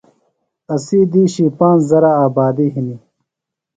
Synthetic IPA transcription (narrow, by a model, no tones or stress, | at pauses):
ɐsiːd̪iːɕipãːnzɐɾaaːbaːd̪iɦini